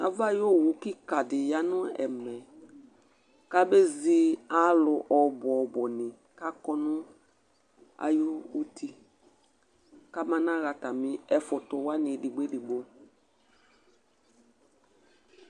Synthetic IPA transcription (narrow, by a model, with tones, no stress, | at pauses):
a̰˨˦va˦˨jo˦˨wu˨˦kɪ˦ka˨dɪ˨ja˦nʊ˦ɛ̰˨mɛ˨ | ka˦be˦zi˦a˦lʊ˨ʔɔ˨bʊ˨ɔ˨bɔ˨nɪ̃˨ | ka˦kɔ˦nʊ˦ | a̰˨ju˦u˦tʰi˦ | ka˦mã˦nã˦˨ɣa˨ta˨mɪ̃˦ɛ˨fʊ˨tʊ˨wa˦nɪ˨dɪ˨ɡ͡be˦di˨ɡ͡bo˦